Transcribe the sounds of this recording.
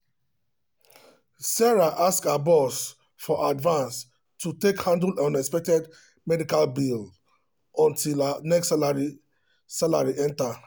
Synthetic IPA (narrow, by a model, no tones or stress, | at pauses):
sɛɹaʔaskabɔs | fɔʔadvãns | tutekhãndlãnɛkspɛk̚tɛd | mɛdikalbil | ɔ̃ntilanɛkslaɹi | sala̰ɹiʔɛ̃nta